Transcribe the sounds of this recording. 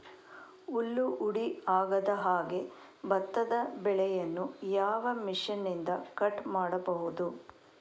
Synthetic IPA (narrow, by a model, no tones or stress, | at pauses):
ulːuʔuɽiaːɡɐd̪ɐɦaːɡe̞ | bɐt̪ːɐd̪ɐbɛɭɛjɐnːujaːʋɐmiʂɐnːind̪ɐkɐʈmaːɽɐbɐɦud̪u